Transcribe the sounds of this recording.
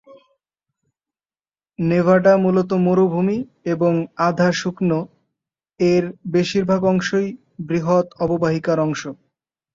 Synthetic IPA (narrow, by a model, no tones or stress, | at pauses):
nevaɖamulot̪̬omoɾobʱumi | eboŋad̪ʱaʃukno | eɾbeʃiɾbʱaɡɔŋʃoj | bɾiɦot̪ɔbobaɦikaɾɔŋʃo